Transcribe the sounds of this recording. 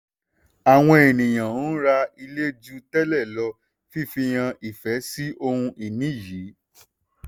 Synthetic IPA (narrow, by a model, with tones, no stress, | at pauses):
a˨w̃ɔ̃˧e˨nĩ˨j̃ã˨˦ɾa˧i˧le˦d͡ʒu˦tɛ˦lɛ˦˨lɔ˧ | fi˦˨fĩ˧j̃ã˧ʔi˨fɛ˨˦si˦ʔo˧hũ˧ʔi˨nĩ˦˨ji˨˦